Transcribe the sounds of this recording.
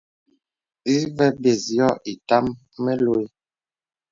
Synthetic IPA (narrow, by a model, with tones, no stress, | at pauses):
i˦vɛ˦be˨zi˨ɔ˦ʔi˨ta˦mː | ɛ˦lo˦e˦